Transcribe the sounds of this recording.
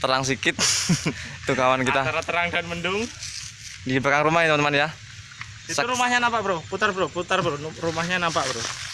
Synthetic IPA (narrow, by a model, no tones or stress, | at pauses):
t̪əɾaŋs̬ikɪt̪̚ | t̪ːukawankit̪aaɾat̪əɾaŋdanməndʊŋ | diɡəbakaŋɾumaht̪əmanmanja | isəuɾumahɲanampaʔb̥əɾohput̪arbəɾohput̪arbəɾonɾumahɲanampaʔbəɾo